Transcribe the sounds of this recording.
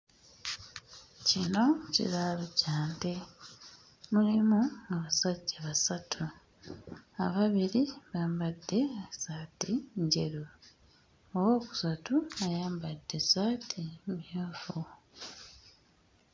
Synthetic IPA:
cino̞cḭlalocaːnte | mulimuŋaβasaɟːaβasatʰu | a̰βaβiɾiβaːmbadːe̞asaːtiɲɟe̞ɾo | owo̞ːku̥satuajaːmbadːe̞zaːtʰimjoːfu

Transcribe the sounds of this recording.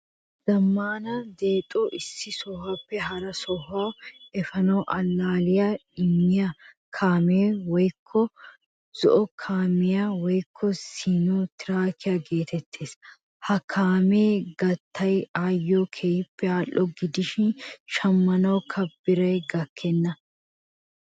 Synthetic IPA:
z̥ɐmːaːnɐd̪eːt̪ʼoʔɪsːɪsɔhapːɛɦɐɾɐsɔhaːɛfɐnɔːʔɐnːaːlɪjaɪmːɪjɐ | kʰaːmeːwɔjkʰːɔ | z̥ɔʔɔkʰaːmɪjawɔjkʰːɔsiːnoːt̪ɪɾaːkʰɪjaɡe̞ːt̪ɛt̪ʰːe̞ːs | hɐkʰaːmeːɡɐt̪ːɐjaːjːoːkʰɛjɪpːɛaːlːɔɡɪd̪ɪʃɪnʃɐmːɐnɐwkʰɐbːɪɾɐjɡɐkʰːɛnːɐ

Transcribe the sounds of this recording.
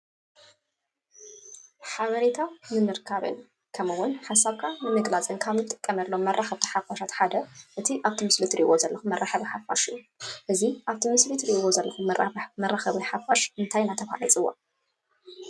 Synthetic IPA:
ħaβɐɾet̪ʰanɨmɨɾkʰaβɨ̰n | kʰɐmɨwʊnħasːaβkʰanɨmɨɡlat͡sʼɨnkʰaβnɨt̪ʼɨ̥kʼːɐmɐlːomːɐrʔaxɐβt̪ʰi̥ħafaʃat̪ħad̪ɐʔɨt̪ʰiʔaβt̪ʰimɨslit̪ɾiʔβozɐlːɐxumːɐrːaħɐβiħafːa̰ʃɨjːu | ʔɨziʔaβt̪ʰimɨslit̪ʰɾiʔɨβozɐlːɐxumɐramɐrːaxɐβiħafaʃʔɨnt̪ʰajnat̪ʰɐfa̰ʕit͡sʼɨwːo̰

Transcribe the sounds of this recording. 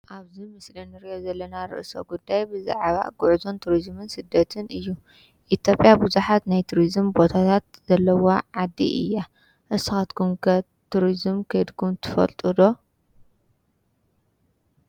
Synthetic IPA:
ʔaβzimɨslinɨɾiozɐlːɐnaɾɨ̰ʔso̞̰ɡud̪ːajbɨza̰ʕβa̰ɡuʕuzo̞nt̪ʰuɾizmɨnsɨd̪ːɐt̪ʰɨnɨjːu | ʔit̪ʰjo̞pʼjabuzuħat̪najt̪ʰuɾizɨmbo̞t̪ʰat̪ʰat̪z̥ɐlːɐwoʕad̪ːḭʔɨ̰jːa | ʔɨsɨxat̪kʰumkʰɐ | t̪ʰuɾizmkʰɐjd̪kʰumt̪ʰɨfɐ̰lt̪ʼɨd̪o̞

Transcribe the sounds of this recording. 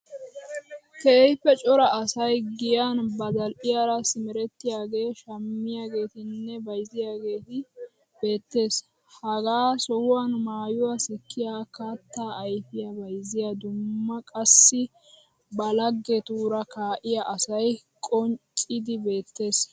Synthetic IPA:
t̪ɛɛjpːɛt͡ʃʼɔɾɐɐsɐjɡɪjanbɐd̪ɐlʔɪjaːɾasɪmɛɾɛt̪ːɪjaːɡe̞ːʃɐmːɪjaːɡe̞ːt̪ɪnːɛbɐjzɪjaːɡe̞ːt̪ɪ | b̥e̞ːt̪ːe̞ːs | hɐɡaːsɔhʊwaːnmaːjʊwasɛkːɪjaːkaːt̪ːaːʔːjfɪjɐbɐjzɪjɐd̪ʊmːɐkʼɐsːɪ | bɐlɐɡːet̪uːɾɐkaːʔɪjɐʔɐsɐj | kʼɔnt͡ʃʼɪd̪ɪbe̞ːt̪ːe̞ːs

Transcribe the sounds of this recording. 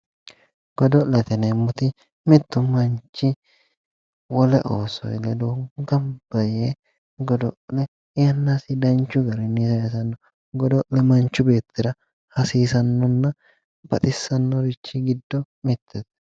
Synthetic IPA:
ɡ̥ɔd̪ɔlɛt̪ɛnɛmːʊt̪ɪ | mɪt̪ːʊmɐnt͡ʃːɪ | wɔlɛʔoːsɔ̰jlɛd̪oɡɐmb̥ɐje | ɡɔd̪ɔʔlɛ | ɪjɐnːaːsɪd̪ɐnt͡ʃːʊɡɐɾɛnisɐɛsɐnːɔ | ɡɔd̪ɔʔlɛmɐnt͡ʃːʊbe̞ːt̪ːɪɾɐ | hɐsiːsɐnːɔnːɐ | bɐt̪ʼɪsːɐnːɔɾɪt͡ʃːɪɡɪd̪ːɔ | mɪt̪ʰːɛt̪

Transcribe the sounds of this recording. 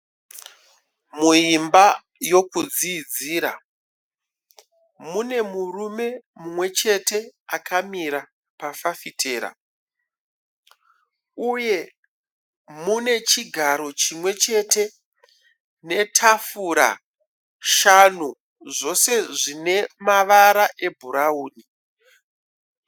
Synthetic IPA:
muimba | jo̞kud͡ziːd͡ziːɾa | mune̞murume̞mumwe̞t͡ʃe̞te̞akamiɾa | pafafitʰe̞ːɾa̰ | uje̞ | mune̞t͡ʃiɡʱaɾo̞t͡ʃimwe̞t͡ʃe̞tʰe̞ | ne̞tʰafuɾa̰ | ʃanu | ʐo̞se̞ʐine̞maʋaɾaʔe̞bʱuɾauːni

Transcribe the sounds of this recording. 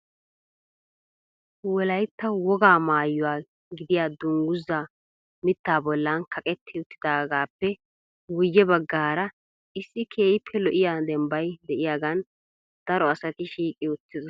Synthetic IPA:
wɔlɐjt̪ːɐwɔɡaːmaːjːʊwaː | ɡɪd̪ɪjaːd̪ʊŋɡʊzːa | mɪt̪ːaːbɔlːɐnkʰɐkʼɛt̪ːɪʊt̪ːɪd̪aːɡaːpːɛ | wʊjːɛbɐɡːaːɾɐ | ʔɪsːɪkʰe̞ːjɪpʰːɛlɔʔɪjaːd̪ɛmbɐjd̪ɛʔɪjaɡɐn | d̪̥ɐɾɔɐsɐt̪ɪʃiːkʼɪʊt̪ːɪzɔ

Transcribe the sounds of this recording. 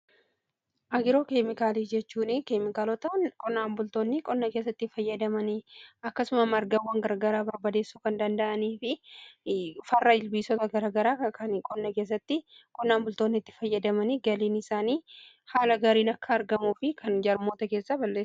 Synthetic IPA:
ʔɐɡɪɾo̞ːkemɪkaːlifd͡ʒɛt͡ʃːuːnɪkeːmɪkaːlɔt̪ɐnkʼɔnːaːmbʊlt̪o̞ːnːɪkʼɔnːɐkeːs̬ːɐt̪ːɪfɐjːɐd̪ɐmɐnɪɐkːɐsʊmɐmɐɾɡɐwːɐŋɡɐɾɡɐɾaːbɐɾbɐd̪e̞ːsːuːkɐnd̪ɐnd̪ɐʔɐniːfɪ | fɐrːɐɪlbiːsɔt̪ɐɡɐɾaɡɐɾaːɐkʰɐnkʼɔnːɐke̞ːs̬ːɐt̪ːɪ | kʼɔnːaːmbʊlt̪o̞ːnːɪɪt̪ːɪ̥fɐjːɐd̪ɐmɐnɪɡɐliːnɪsaːniː | haːlɐɡaːɾiːnɐkːɐːɾɡɐmuːfɪkʰɐnd͡ʒɐɾmo̞ːt̪ɐke̞ːsːɐbɐlːeːs

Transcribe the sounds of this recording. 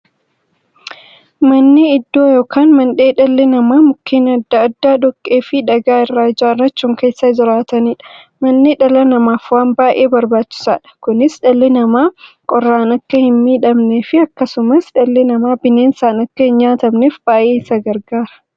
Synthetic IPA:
mɐnːɪɪd̪ːo̞ːjoːkʰaːnmɐnᶑe̞ːᶑɐlːɛnɐmaːmʊkːiːnɐd̪ːɐɐd̪ːaːd̪ɔkʼːeːfɪᶑɐɡaːɪrːaːd͡ʒaːrːɐt͡ʃːuːŋke̞ːsːad͡ʒɪɾaːt̪ɐniːᶑɐ̥ | mɐnːɪᶑɐlɐnɐmaːfwaːmbaːʔe̞ːbɐɾbaːt͡ʃːɪ̥sa̰ːᶑɐ̥kʊnɪsᶑɐlːɛnɐmaː | kʼɔrːaːnɐkːɐhɪnmiːᶑɐmneːfɪɐkːɐsʊmɐsᶑɐlːɛnɐmaːbɪneːnsaːnɐkːɐhɪnɲaːt̪ɐmneːfbaːʔeːɪsɐɡɐɾɡaːɾɐ̥

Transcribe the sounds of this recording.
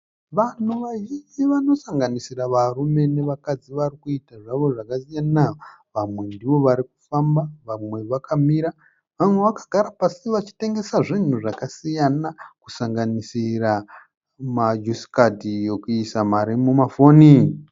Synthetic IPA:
ʋan̤uʋaʒind͡ziʋano̞saŋɡanisiraʋarume̞ne̞ʋakad͡ziʋarikuitaʐaʋo̞ʐakasijana | ʋamwe̞ndiʋo̞ʋaɾiku̥fambaʋamwe̞ʋakʰamiɾa | ʋamwe̞ʋakḁɡʱaɾapasiʋat͡ʃi̥te̞ŋɡe̞saʐin̤uʐakasijanaku̥saŋɡanisira | mad͡ʒusi̥kadʱijo̞kuisamaɾimumafoːni

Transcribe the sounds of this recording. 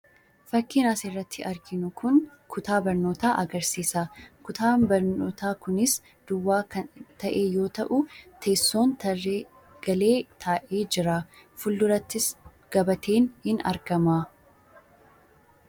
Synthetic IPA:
fɐkːɪnaːsɪrːɐt̪ʰːɪʔɐɾɡɪnʊkʰʊn | kʰʊt̪aːbɐɾno̞ːt̪aːʔɐɡɐɾsiːsakʊt̪aːbɐɾnoːt̪aːkʊnɪs | d̪̥ʊwːaːɐt̪ʰɐʔeːjo̞ːt̪ɐʔʊt̪ʰe̞ːsːo̞ːnt̪ɐe | ɡ̥ɐle̞ːt̪ʰaːʔeːd͡ʒɪɾaːfʊlːʊɾɐt̪ːɪs | ɡ̥ɐbɐt̪ʰe̞ːnhɪnɐ̰ɾɡɐmaː

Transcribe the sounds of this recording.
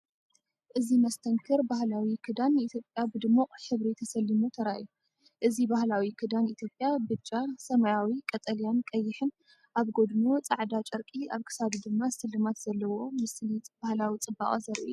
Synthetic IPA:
ʔɨzimɐst̪ʰɐŋkʰɨɾbahlawikʰɨd̪anːit̪ʰjo̞pʼjabɨd̪ɨmːuʔʼħɨβɾit̪ʰɐsɐlːimut̪ʰɐɾaʔju | ʔɨzibahlawikʰɨd̪anit̪ʰjo̞pʼjabɨt͡ʃʼasɐmajawikʼɐt̪ʼɐlijankʼɐjːɪħɨn | ʔaβɡo̞d̪nut͡sʼaʕd̪at͡ʃʼɐɾkʼiaβkʰɨ̥saβd̪ɨmːasɨlːɨmat̪z̥ɐlːɐwo̞mɨslit͡sʼb̥ahlawit͡sʼɨba̰χʼɐzɐɾʔṵ

